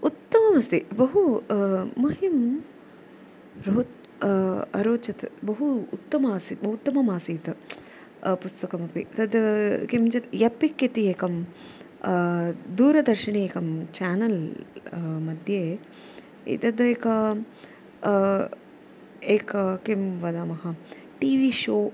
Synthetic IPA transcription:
ut̪ːɐmɐmɐst̪ibɐɦuː | ɐɦim | ɾoːt̪ | ɐ̰ɾoːt͡ʃɐt̪bɐɦuːt̪ːɐmaːsibɐɦut̪ːɐmɐmaːsiːt̪ɐ | pust̪ɐkɐmɐpḭt̪ɐd̪kimt͡ʃɐt̪jɐpikːit̪ieːkɐm | d̪uːɾɐd̪ɐɾʃɐɳeeːkɐmt͡ʃaːnɐl | mɐd̪ʱjeː | ḭt̪ɐd̪eːkɐ | eːkɐkimʋɐd̪aːmɐɦɐ | ʈiːʋiːʃoː

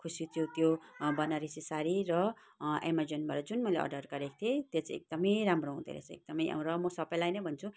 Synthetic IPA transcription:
kʰusit̪jot̪jobʌnʌɾisisaɾiɾʌ | emad͡zenbʱaɾʌd͡zunmʌjleʌ̰rɖʌrɡʌɾek̚t̪ʰiet̪jet͡sĩḛk̚d̪ʌmʌjramroɦũd̪ḛɾḛt͡sʰʌḛk̚d̪ʌmʌja̰w̃ɾʌmʌsʌbʌjlajnʌjbʱʌnt͡sʰu

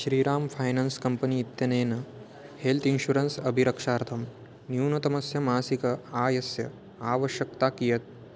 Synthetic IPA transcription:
ʃɾiːɾaːmfʰaːjnanskɐmpɐniːt̪jɐneːnɐ | helt̪ʰinɕuɾɐnsɐbʱiɾɐkʂaːɾt̪ʰɐm | njuːnɐt̪ɐmɐsjɐmaːsikɐaːjɐsjɐ | aːʋɐʃjɐkt̪aːkijɐt̪̚

